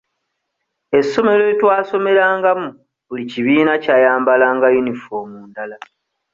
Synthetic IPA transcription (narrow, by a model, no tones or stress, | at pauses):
e̞sːo̞me̞lotwaːso̞me̞ɾaːŋɡamu | βuliciβiːnacaːjaːmbalaːŋɡajunifo̞ːmuːndala